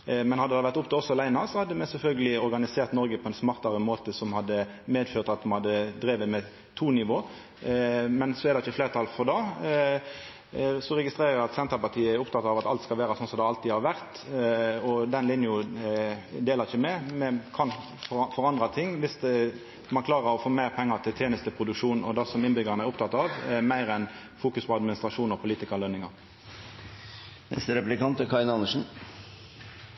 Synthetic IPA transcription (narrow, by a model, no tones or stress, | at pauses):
mɛnhɑd̪əd̪ɛʋæʁt̪ʊpt̪ɔsːɔlæɪnɑsɔhɑd̪ːəmɛsɛlfœlɡəlɪɔɾɡɑnɪseːʁt̪nɔɾɡəpʰɔɛnsmɑʁt̪ɑɾəmoːt̪əsɔmhɑd̪ːəmeːd̪føːʁt̪ɑt̪̚d̪mhɑd̪ːəd̪ɾeːʋəmɛ | t̪ʰuːnɪʋoː | mɛnsɔɛʁd̪ɛɪçːəfleːʁt̪ʰɑlfɔʁd̪ɑː | sɔɾɛɡɪst̪ɾeːɾɑt̪sɛnt̪ɑpɑt̪ʰiːəɛɾʊp̚t̪ʰɑt̪ːɑʋɑt̪ɑlt̪skɑlʋæːɾɑsɔnsɔmd̪ɛɑlt̪ihɑɾʋæɾt̪ | ɔd̪ɛnlɪnjʊ | d̪eːləʁɪçəmɛmɛkʰɑn | ffɔʁɑnd̪ʁɑt̪ʰɪŋːʋɪs | mɑnklɑːʁəɾɔfoːmæɪʁpʰɛŋːət̪ʰɪlt̪ʰjeːnəst̪əpʰʁʊd̪ʉkʂuːnɔd̪ɑsɔmɪnbʏɡəʁnəæɾʁʊpt̪ʰɑt̪ːɑʋmæɪʁɛn | fuːkʉspʰɔɑd̪mɪnɪst̪ʁɑʂuːnɔpʰʊliːt̪ɪkəʁlœnɪŋɑʁ | nɛ̰st̪əɾɛplɪkɑnt̪əkʰɑɪnɑnəʂn̩